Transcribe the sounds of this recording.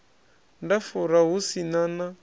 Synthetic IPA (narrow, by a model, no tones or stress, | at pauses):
ndafuɾaɦusinana